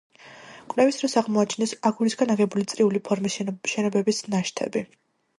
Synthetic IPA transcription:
kʼlɛvisɾɔsaʁmɔat͡ʃʰinɛsaɡulisɡanaʁɛbulit̪sʼɾiulipʰɔɾmiʃɛnɔbɛbisnaʃt̪ʰɛ̰bi

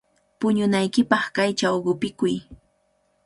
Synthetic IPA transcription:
pʊɲʊnajkɪpɑχkajt͡ʃawɢʊpɪkʊj

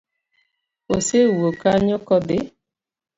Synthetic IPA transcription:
osewokaɲɔkɔbe

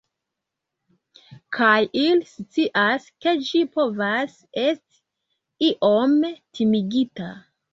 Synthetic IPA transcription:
kʰajilst͡siʔaske̞d͡ʒipo̞vas | e̞sti̥ | iʔomtʰimiɡita

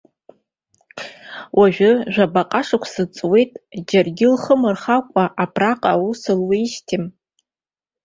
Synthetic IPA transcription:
wʔaʒᶣʊʒᶣabaqʼaʂakʷʰsɨt͡sʼwe̞jtʼd͡ʒarɡʲɪlχəmɨrχakʷʼaʔapʰraqʼausɨlwiːʃtʰim

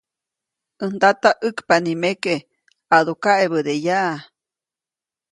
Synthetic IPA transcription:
ənd̪at̪aʔɨkpanimeke | aðukaʔeβəd̪ejaʔː

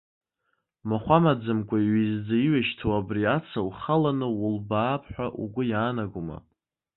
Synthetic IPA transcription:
maχʷamad͡zɨmkʷʼaiɥizd͡zaiɥaʃtʰawabriat͡sʰawχalanɨwʊlbaːpʰħʷᶣaʔṵɡʷʊjaːnaɡʷuma̰

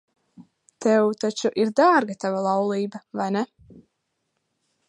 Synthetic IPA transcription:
t̪ʰɛwt̪at͡ʃuʔiɾd̪aːɾɡat̪avalˠɑwlˠiːbavajnɛ

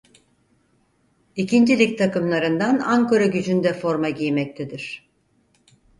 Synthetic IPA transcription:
icʰind͡ʒilʲic̚t̪ʰakɯmlˠaɾɯnd̪anaŋkoɾaɟyd͡ʒynd̪ɛfo̞ɾmaɟijmɛc̚t̪ʰɛd̪iɾ̝̥

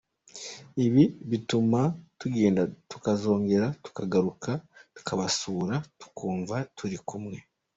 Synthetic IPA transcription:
iβiβitumatuɡe̞ːndatu̥kazo̞ːŋɡe̞ɾatu̥kaɡaɾukatu̥kʰaβasuːɾatu̥kʰuːɱvatʰuɾikumŋe̞

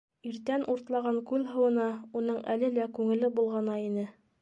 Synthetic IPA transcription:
iɾt̪ænʔuɾt̪lˠɑʁɑŋkʉlɦɤ̆wɤ̆nɑunɤɴʔælɘlækʉŋɘ̆lɘbulˠʁɑnɑinɘ

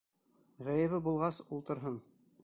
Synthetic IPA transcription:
ʁæjɘ̆βɘbulˠʁɑsulˠt̪ɤ̆ɾɦɤn

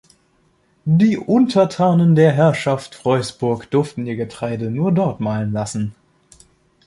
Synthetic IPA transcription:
diːʔʊntʰɐtʰaːnəndeːɐɦɛɐʃaftfʁ̥ɔʏsb̥ʊɐkd̥ʏɐftn̩iːɐɡətʁ̥aɪdənuːɐdɔɐtmaːlənlasn̩

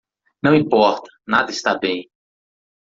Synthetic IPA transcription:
nɐ̃w̃ĩpɔɾt̪ɐ̥nad̪ɐist̪abẽj̃

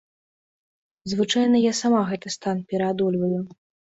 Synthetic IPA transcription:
zvɨt͡ʂajnɐjasamaɣɛt̪ɨst̪anpʲɛɾad̪ulʲvɐju

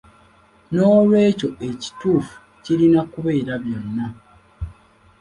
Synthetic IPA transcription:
no̞ːlwe̞ːco̞e̞ci̥tuːfu̥ | ciɾinakuβe̞ːɾaβjonːa

